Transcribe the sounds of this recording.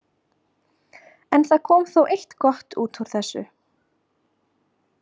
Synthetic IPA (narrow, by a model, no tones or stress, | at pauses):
ɛnθaðkʰɔːmθowʔejht̪kɔht̪uːt̪uɾ̥θɛsːʏ̰